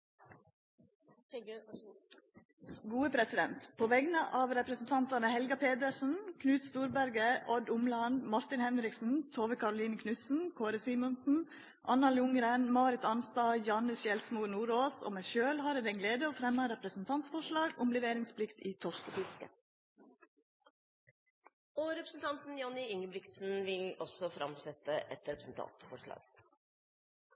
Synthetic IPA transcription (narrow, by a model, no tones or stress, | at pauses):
ɡuːəpʰɾɛsɪd̪ɛ̰nt̪pʰoːʋɛɡnəʔɑːʋɾɛpɾəsn̩t̪ʰɑnt̪ɑnəhɛlɡɑpʰeːd̪əʂn̩kʰnʉːt̪st̪uːɾbæɾɡəʔɔd̪ʊmlɑnd̪mɑɾt̪ɪnhɛnɾɪksn̩t̪ʰoːʋəkʰɑɾʊliːnəkʰnʉsn̩kʰoːɾəsiːmɔnsn̩ | ʔɑnɑljʊŋɾenmɑːɾɪt̪ɑnst̪ɑːjɑːnəʃɛlsmunuːɾoːso̰ːmæʃøːlhɑːɾɛd̪ɛɡleːd̪əoːfɾɛmːəɾɛpɾəsn̩t̪ʰɑnt̪sfɔʂlɑːɡʊmlɛʋeːɾɪŋspʰlɪkt̪iːt̪ʰɔʃkəfɪskə̰ | ɔɾɛpɾəsn̩t̪ʰɑnt̪n̩jɔnɪʏŋəbɾɪkt̪sn̩ʋɪlɔsɔfɾɑ̰msɛt̪ːəʔɛt̪ɾɛpɾəsn̩t̪ʰɑ̰nt̪fɔʂɭɑ̰ːɡ